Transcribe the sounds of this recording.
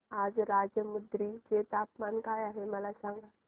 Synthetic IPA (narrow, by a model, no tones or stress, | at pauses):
aːd͡ʒɾaːd͡ʒjəmʊd̪ɾid͡ʒeːt̪aːpmaːnkajaɦemalasãŋɡa